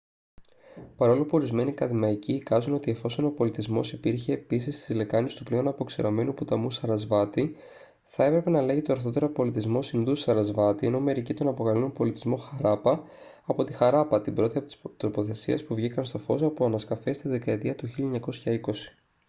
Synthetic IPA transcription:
pɐɾo̞lopuo̞ɾizme̞nikɐðimɐiciːkɐzuno̞t̪ie̞fo̞so̞no̞po̞lit̪izmo̞̰sipiɾçe̞ːpisist̪izle̞kɐnist̪uple̞o̞nɐpo̞ksiɾome̞nuput̪ɐmusɐɾɐzvɐt̪i | θɐe̞pɾe̞pe̞nɐle̞ʝit̪oɐɾθo̞t̪e̞ɾopo̞lit̪izmo̞sinðusɐɾɐzvɐt̪ie̞no̞me̞ɾicit̪o̞nɐpoɣɐlunopo̞lit̪izmo̞xɐɾɐpɐɐpo̞t̪ixɐɾɐpɐt̪ibɾo̞t̪iɐpoi̥st̪ɾo̞po̞θe̞siɐspuvʝikɐnst̪o̞fo̞sɐpoɐnɐskɐfe̞st̪iðe̞kɐet̪iɐt̪uçiluɲɐko̞sçɐiko̞si̥

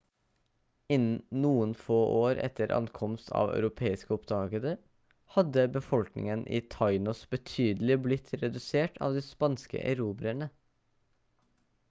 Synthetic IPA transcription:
ɪnnuːənfoːʔoːɾɛ̰t̪ʰəɾʔɑ̰nkʰɔmst̪ʰɑ̰ːʋœ̰ʉɾʊpʰeːɪskəɔpd̪ɑːɡəd̪ə | hɑd̪əbəfɔlknɪ̰ŋənʔɪ̰ːt̪ʰɑɪnɔsbət̪ʰyːd̪əlɪblɪt̪ʰɾɛd̪ʉseːʈʰɑ̰ːʋd̪iːspɑnskə̰ʔæ̰ɾuːbɪæɳə

